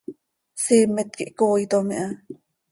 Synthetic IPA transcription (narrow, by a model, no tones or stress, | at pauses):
siːmet̪̚kiʔkoːjt̪omḭʔa